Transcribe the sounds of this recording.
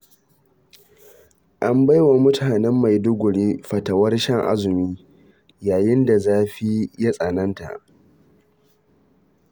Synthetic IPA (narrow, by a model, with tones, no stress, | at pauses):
ʔa˦mba˦jwa˨mʊ˦tʰaː˨nɛ˦mːa˨jdʊ˦ɡʷʊ˨ɽiː˦ɸɐ˨tɐ˨wɐ˦rʃɐ˦˨ŋʔa̰˦zʊ˨miː˦ | jaː˨jɪ˦nda˨zaː˦ɸi˦ja˦sʼɐ˨nɐ˦nta̰˨ʔ